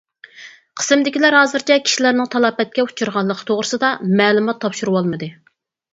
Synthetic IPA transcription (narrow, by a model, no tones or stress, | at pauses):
qʰə̥sɨmd̪ɪkʲilæɾɦɑːzɨɾt͡ʃʰɛkʲʰi̥ʃilæɾnɪŋt̪ʰɑlˠɑːpɛt̪̚kʲɛut͡ʃʰuɾʁɑlˠːəqʰə̥t̪ʰoʁɾɨsɨd̪ɑmɛːlˠumɑt̪ʰːɑpʃuɾuwɑlˠmɨd̪ɨ